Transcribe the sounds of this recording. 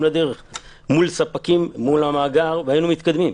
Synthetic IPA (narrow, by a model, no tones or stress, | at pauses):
mlad̪eʁeχ | mulsapakimːulamaːɡaʁveajinumit̪kad̪mim